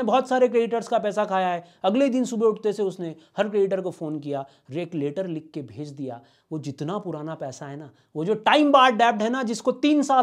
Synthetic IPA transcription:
ebɔɦːt̪saːɾekɾeːɖɪʈəɾskapɛːsakʰaːjaɦɛː | ɐɡleid̪ɪnsubʱeʊʈt̪eseʊsnehɐɾkɾeːɖɪʈəɾkofoːnkija | ɾeːkleːʈəɾlɪkːebʱeːd͡ʒd̪ija̰ | ʋod͡ʒɪt̪napʊɾaːnapɛːsaɦɛnaː | ʋod͡ʒoːʈaːɪmbaːɖɛːp̚ʈɦɛnad͡ʒɪskot̪iːnsaː

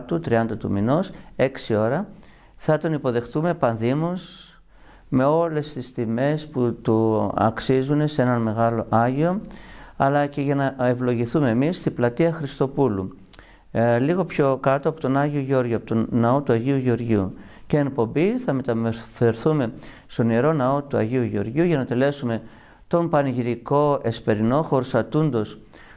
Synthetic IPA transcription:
t̪ut̪ɾiɐnd̪ɐt̪ṵminose̞ksio̞ɾɐ | θɐt̪o̞nipo̞ðe̞xθume̞pɐnðimus | me̞o̞le̞st̪ist̪ime̞sput̪uɐ̰ksizune̞se̞nɐnme̞ɣɐlo̞ʔɐʝio̞ɐlɐce̞ʝɐnɐe̞vlo̞ʝiθume̞ːmisːt̪iblɐt̪iɐxɾist̪o̞pulu | liɣo̞pço̞kɐt̪o̞ɐpo̞t̪onɐʝio̞ʝo̞ɾʝoɐpot̪onɐo̞t̪uɐʝiuʝeo̞ɾʝṵ | ceːŋkpo̞mbiθɐme̞t̪ɐmɾθeɾθume̞ | st̪o̞nieɾo̞nɐo̞t̪uɐ̰ʝiuʝo̞̰ɾʝuʝɐnɐt̪e̞le̞sume̞ | t̪o̞mpɐnʝiɾiko̞e̞spe̞ɾino̞xo̞ɾsɐt̪und̪o̞s

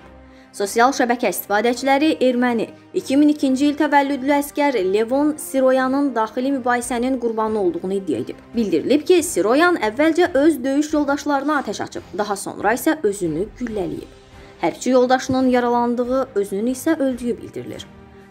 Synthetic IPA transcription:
so̞sijɑlˠʃæbæcʰæist̪i̥fɑːd̪æt͡ʃʰilæɾiʔe̞ɾmæni | icʰiminicʰind͡ʒiilt̪ʰævælːyd̪lyæscæɾle̞vo̞nsiɾo̞jɑnɯnd̪ɑːχilimybɑːhisæninɡuɾbɑnɯo̞lˠd̪uʁunɯid̪ːijæ̰ḛd̪ḭbbild̪iɾḭlipcʰisiɾo̞jɑnævːæld͡ʒæʔøzd̪ø̞jyʃjo̞lˠd̪ɑʃlˠɑɾɯnɑːt̪ʰæʃɑ̰t͡ʃʰɯ̰p̚d̪ɑɦɑso̰nɾɑisæʔø̞zynyɟylːælḭjḭb̥̚ | hæɾbt͡ʃʰijo̞lˠd̪ɑʃɯnɯnjɑɾɑlˠɑnd̪ɯʁɯø̞zynynyisæʔø̞ld̪yjybḭld̪ḭɾḭlḭɾ

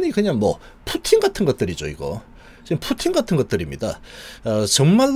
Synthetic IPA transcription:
ɲikɯɲaŋmwʌ̰ | pʰotʰiŋɡatʰɯnɡʌt̚t͈ɯɾid͡ʑo̰iɡo̰ | t͡ɕimpʰotʰiŋɡatʰɯnɡʌt̚t͈ɯɾimɲidaʌt͡ɕʌŋmaɭː

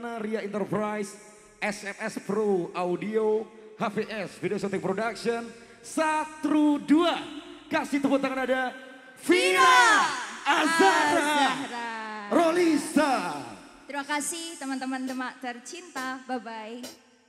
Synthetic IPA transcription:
naɾiaint̪ərpɾajs | ʔɛsɛmɛspɾoaudio | hafeʔɛsfideosot̪ik̚pɾodakʃən | sat̪ɾuduakasiht̪uput̪aŋanada | fia | azaɾaɾaɾolisa | t̪ɾimakasiht̪əmant̪əmandəmaʔt̪ərt͡ʃint̪ababaj

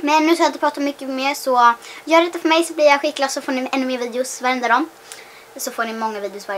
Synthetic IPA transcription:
mɛnːʉ̟skajnt̪əpɾɑːt̪aɔmːʏkːəmeːɾsɔjœːɖɛt̪ːafœɾmɛjsɔblɪɾjaɧɪkːlasɔfoːɳɪɛnːɵmeːɾviːd̪ɛʊsvaɾɛnd̪ɾaɾɔm | sɔfoːɳɪmɔŋːaviːd̪ɛʊsva

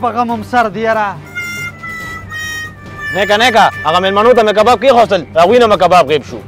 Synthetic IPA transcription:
pɐɣɐmɐmsɐɾd̪ijɐɾa | nekanekaaɣamelmanot̪amek̬abaːb̚kixost̪əlɾaːɣwiːnamekabaːb̚ɣeːbʃṵ

